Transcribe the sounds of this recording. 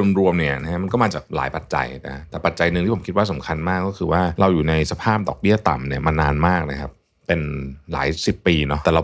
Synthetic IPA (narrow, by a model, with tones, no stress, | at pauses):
u˧mɾu˧əmni˥˩ɐna˦˥kʰa˥ma˧nkɔː˥˩maː˧t͡ɕaː˨˩k̚laː˩˦jpa˨˩t̪̚t͡ɕa̰˧jna˦˩ka˦˥t̪ɛː˨˩pa˨˩t̪̚t͡ɕa˧jnɯ˧ŋt̪i˥˩o˩˦kʰi˦t̪̚waː˥˩s̬a˩˦mkʰa˧nmaː˥˩kːɔː˥˩kʰɯː˧waː˥˩ɾa˧wjuː˨˩na˧jsa˧pʰaː˥˩p̚dɔː˨˩k̚bi˥˩ɐt̪a̰˨˩mni˦˥˩ɐmaː˧nːaː˧nmaː˥˩k̚na˦˥kʰa˦˥p̚ːe˧nla̰ː˩˦jsi˨˩pːiː˧nɔ˦˥ʔt̪ɛː˨˩la˧